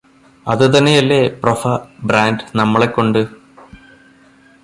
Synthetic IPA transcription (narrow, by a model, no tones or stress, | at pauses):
ɐ̰ðɨt̪̬ɐnːejɐlːeprofɐbraːndnɐmːɐɭe̞kːo̞ɳɖɨ